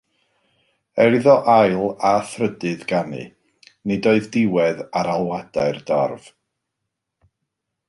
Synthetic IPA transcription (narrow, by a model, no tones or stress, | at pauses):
ɛɾɨðɔʔajlˠaθrədɨðɡanɨ̰ | nedoɨðdɪwɛðaɾalˠwadaɨrdɔrv̥